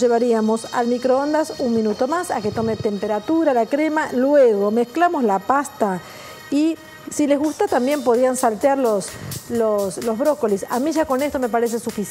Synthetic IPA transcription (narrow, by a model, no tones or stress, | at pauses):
ʒeβaɾiamo̞sa̰lmikɾoond̪asunmĩnut̪o̞masake̞t̪o̞met̪e̞mpe̞ɾat̪uɾalakɾe̞malwe̞ɣo̞me̞sklamo̞slapast̪a | i | sile̞zɣust̪at̪ambje̞mpo̞ð̞iansalt̪eaɾlosloslo̞zβɾo̞kolisa̰miʒako̞ne̞st̪o̞me̞paɾe̞s̬e̞sufis